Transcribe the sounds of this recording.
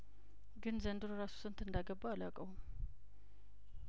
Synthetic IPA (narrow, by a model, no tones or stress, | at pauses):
ɡɨnzənd̪ɨɾoɾasu̥sɨnt̪ɨnd̪aɡəbːaːlakʼəwum